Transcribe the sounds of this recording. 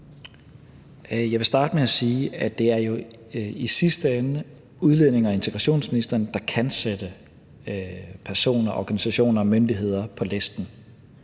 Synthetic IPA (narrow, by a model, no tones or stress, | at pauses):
jɑ̈ɪʋe̝sd̥ɑ̈ːd̥əmeæsiːæd̥e̝æɐjo̝ | isisd̥əen | uð̞ˠlene̝ŋæe̝nt͡sʰeɡ̥ʁɑ̈ɕo̝̰ːnsminisd̥ɐːnd̥ɑ̈kʰænsed̥ə | pʰæɐso̝̰ːnɐʔɒɡ̥ænisæɕo̝̰ːnɐɒ̽mønd̥iɦe̝ð̞̰ˠɐpʰɒ̽lesd̥n̩